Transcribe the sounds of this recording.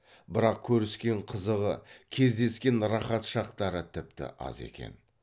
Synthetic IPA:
bɪɾɑq̚kʲʰɵɾɪskʲe̞ɴqʰəzəʁəkʲʰe̞zd̪e̞skʲe̞nɾɑχɑt̪ʃɑqt̪ɑɾət̪ʰɪp̚t̪ɪ̰ʔɑ̰ze̞̰kʲe̞̰n

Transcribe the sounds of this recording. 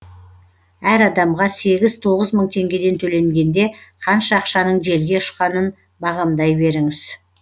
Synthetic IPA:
æɾɑd̪ɑmʁɑse̞ɡʲɪzt̪ʰo̞ʁəzməɴt̪ʰe̞ŋɡʲe̞d̪e̞nt̪ʰɵle̞ŋɡʲe̞nd̪e̞qʰɑnʃɑːqʃɑnəɴʒe̞lɡʲe̞ʊ̥ʃqɑnən | bɑʁɑmd̪ɑjbe̞ɾɪŋɪz̥

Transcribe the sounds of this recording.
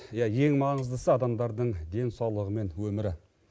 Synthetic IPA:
jɑje̞ŋmɑɴəzd̪əsəɑd̪ɑmd̪ɑɾd̪əɴd̪e̞nsɑwlˠəʁəme̞nwɵmɪɾɪ

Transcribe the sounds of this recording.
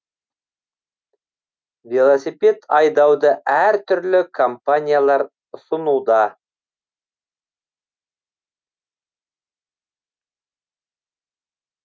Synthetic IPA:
vʲelˠosipʲe̞t̪ʰɑjd̪ɑwd̪əæɾt̪ʰʏɾlɪkʰompanʲijalˠɑɾ | sʊnud̪ɑ

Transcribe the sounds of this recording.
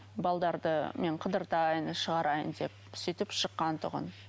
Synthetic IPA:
bɑlˠd̪ɑɾd̪əme̞ɴqʰəd̪əɾt̪ɑjənʃəʁɑɾɑjə̰nd̪e̞p̚sʏjt̪ɪpʃəqːɑnt̪ʰʊʁə̰n

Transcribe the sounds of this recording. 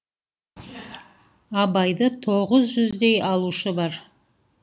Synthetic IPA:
ɑbɑjd̪ət̪ʰo̞ʁəzʒʏzd̪e̞jɑlˠuʃəbɑɾ

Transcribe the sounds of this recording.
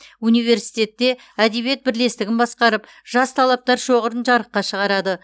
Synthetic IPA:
unijve̞ɾsijt̪e̞t̪ːe̞ | æd̪e̞bje̞t̪̚bɪɾle̞st̪ɪɡʲɪnbɑsqɑɾəp | ʒ̥ɑst̪ʰɑlˠɑp̚t̪ɑɾʃo̞ʁəɾənʒɑɾəqːɑʃəʁɑɾɑd̪ə

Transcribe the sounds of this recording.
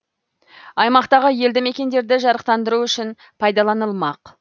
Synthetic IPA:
ɑjmɑqt̪ɑʁəje̞ld̪ɪme̞kʲe̞nd̪e̞ɾd̪ɪʒɑɾəq̚t̪ɑnd̪əɾuʏʃɪn | pʰɑjd̪ɑlˠɑnəlˠmɑq

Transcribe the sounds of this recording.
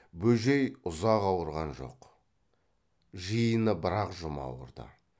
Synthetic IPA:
bɵʒejʊzɑqɑwəɾʁɑnʒo̞̰q | ʒəjənəbɪɾɑqʒʊmɑ̰wə̰ɾd̪ə̰

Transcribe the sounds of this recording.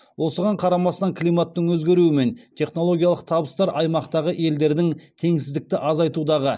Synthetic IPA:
wo̞səʁɑɴqʰɑɾɑmɑst̪ɑŋklˠijmat̪ːəɴwɵzɡʲe̞ɾuɪme̞nt̪ʰe̞χnolˠo̞ɡʲijɑlˠəq̚t̪ʰɑbəst̪ɑɾʔɑjmɑqt̪ɑʁəʔe̞ld̪e̞ɾd̪ɪŋt̪ʰe̞ŋsɪzd̪ɪk̚t̪ɪʔɑzɑjt̪ud̪ɑʁə

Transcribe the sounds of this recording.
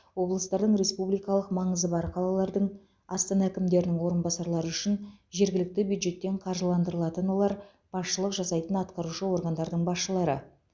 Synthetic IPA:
wo̞blˠəst̪ɑɾd̪əɴɾe̞spublijkɑlˠəqmɑɴəzəbɑɾqʰɑlˠɑlˠɑɾd̪əɴ | ɑst̪ɑnɑækʲɪmd̪e̞ɾɪnɪŋwo̞ɾənbɑsɑɾlˠɑɾəʏʃɪnʒe̞ɾɡʲɪlɪk̚t̪ɪbjujd̪ʒe̞t̪ːe̞ɴqʰɑɾʒəlˠɑnd̪əɾəlˠɑt̪ənwo̞lˠɑɾ | b̥ɑsʃəlˠəqʒɑsɑjt̪ənɑt̪qɑɾuʃəwo̞ɾɡɑnd̪ɑɾd̪əɴbɑsʃəlˠɑɾə

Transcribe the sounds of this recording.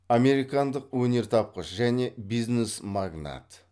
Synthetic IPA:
ame̞ɾijkɑnd̪əqwɵne̞ɾt̪ʰɑp̚qəʃʒæne̞bijznesmaɡna̰t̪

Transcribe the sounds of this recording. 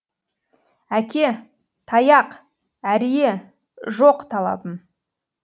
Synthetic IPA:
ækʲe̞ | t̪ʰɑjɑq | æɾije | ʒoqt̪ʰɑlˠɑ̰bəm

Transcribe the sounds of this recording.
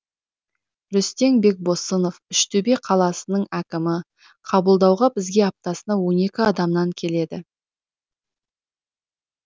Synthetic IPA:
ɾʏst̪e̞ŋbe̞k̚bo̞səno̞fʏʃt̪ʰʏbeqʰɑlˠɑsənəɴækʲɪmɪ | qʰɑbəlˠd̪ɑwʁɑbɪzɡʲe̞ɑp̚t̪ɑsənɑwo̞ne̞kʲɪɑd̪ɑmnɑŋkʲʰe̞le̞d̪ɪ

